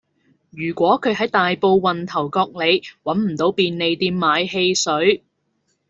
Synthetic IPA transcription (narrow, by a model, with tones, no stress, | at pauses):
jyː˨˩kʷɔː˨˥kʰɵ˨˧ɥɦɐ˨˥jt̪aː˨jpo˧wːɐ˨nt̪ʰɐ˨˩wkɔː˧k̚le˨˧jwɐ˨˥nm̩˨˩t̪o˨˥wpiː˨˧nːe˨˧jt̪iː˧mːaː˨˧jɦe˧jsɵ˨˥ɥ